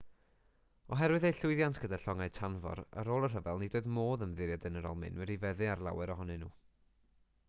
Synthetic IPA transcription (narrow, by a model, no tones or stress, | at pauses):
ɔɦɛɾwɨðejɬʊɨðjantʰɡ̥ədaɬɔŋaɨtʰanvɔ̰ɾə̰ɾoːlˠərɦəvɛlˠnidoːðmoːðəmðɪɾjadənəɾɔ̰lˠmɪ̰nwɛɾivɛðɨarlˠa̰wɛɾɔɦɔnɨnṵː